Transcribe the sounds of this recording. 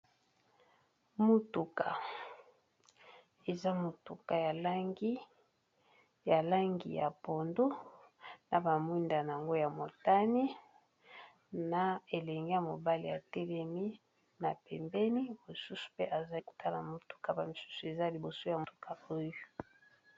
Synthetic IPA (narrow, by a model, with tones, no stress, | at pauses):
mo˨tu˨ka˨ | e˨za˦mo˨tu˨ka˨ja˨la˦ŋɡi˦ | ja˨la˦ŋɡḭ˨ja̰˨po˨ndo˦ | na˨ba˨mu˦nda˨na˨a˨ŋɡo˦ja˨mo˨ta˦ni˦ | na˨e˨lɛ˨ŋɡe˦ja˨mo˨ba˦li˨ja̰˨tɛ˦lɛ˨mi˦ | na˨pɛ˨mbɛ˦ni˦mo˨su˦su̥˨pe˦ʔa˨za˦ko̥˨tʰa˦la˨mo˨tu̥˨ka˨ba˨mi˨su̥˦su˨e˨za˦li˨bo˨so˦ja˨mtu˨kʰa˨o˦jo˦